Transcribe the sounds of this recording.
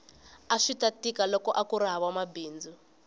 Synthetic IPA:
aʂitatikalɔkɔʔakuɾaɦaβamabiːnd͡zu

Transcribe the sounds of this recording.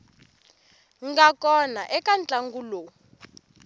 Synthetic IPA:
ŋɡakɔnaʔɛkʼant͡ɬʼaŋɡulo

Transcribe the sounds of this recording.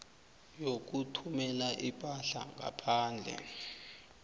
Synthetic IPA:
jok̬utʰumɛlaʔipʼaɬa̰ŋa̰pʰaːnd͡ɮʱɛ̰

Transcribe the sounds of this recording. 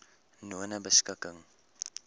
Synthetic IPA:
nuənəbəskəkəŋ

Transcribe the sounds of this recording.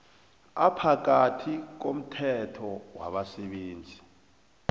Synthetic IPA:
apʰak̬atʰik̬om̩tʰɛtʰɔwa̰ɓasɛɓeːnd͡zʱi

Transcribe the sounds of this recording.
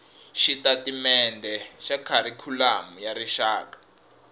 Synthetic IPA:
ʃitatimɛndʱɛʃakʰaɾikʰulamujaɾiʃaːkḁ

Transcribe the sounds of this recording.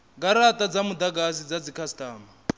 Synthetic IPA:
ɡaɾatʼad͡zamudaɡas̬id͡zad͡zikʰastʼaːma

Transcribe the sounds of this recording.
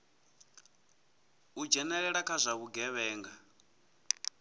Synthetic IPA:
ud͡ʒɛnɛɺɛɺakʰazʷaβuɡɛβɛːŋɡa

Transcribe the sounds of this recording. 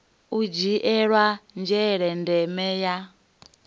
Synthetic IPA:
ud͡ʒiʔɛɺwand͡ʒɛɺɛndɛmɛja

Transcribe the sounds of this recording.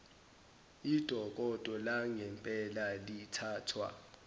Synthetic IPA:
id̥ʱɔk̬ʼɔd̥ʱɔlaŋɛmpʼɛlalitʰaːtʰwa̰

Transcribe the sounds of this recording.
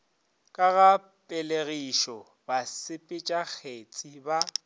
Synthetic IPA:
kʼaɣa | pʼɛleɣiʃɔ | basɪpʼɪt͡ʃʼak͡xʰet͡sʼiba

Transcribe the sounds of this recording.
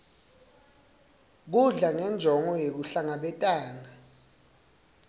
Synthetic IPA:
k̬uɮaŋɛnd͡ʒʱɔŋɔjek̬uɬaŋaɓɛtʼaːna

